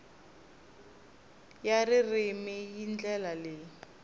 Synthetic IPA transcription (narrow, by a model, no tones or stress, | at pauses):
jarɪrɪmɪjind͡ɮɛlalɪ